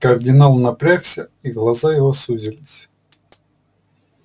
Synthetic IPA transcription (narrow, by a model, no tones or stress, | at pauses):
kɐrd̪ʲɪnalˠnɐpɾʲaksʲəiɣlˠɐzajɪvosuzʲɪlʲɪsʲ